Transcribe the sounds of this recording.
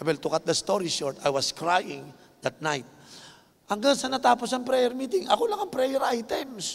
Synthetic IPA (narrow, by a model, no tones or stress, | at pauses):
ɛbɛlt̪ʊkat̪̚d̪ɐst̪oɾiʃoɹt̪ajwɐskɹajɪ̃ŋ | d̪ɐt̪̚najt̪̚ | ʔɐŋɡaŋsɐnɐt̪aːposɐŋpɾɛjɛɾmiːt̪ɪŋɐkolɐŋɐŋpɾɛjɛɾʔajt̪ɛms